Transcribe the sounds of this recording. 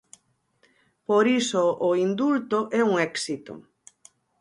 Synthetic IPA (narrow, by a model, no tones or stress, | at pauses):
poɾisoʔːind̪ult̪oʔɛuŋɛksit̪o̰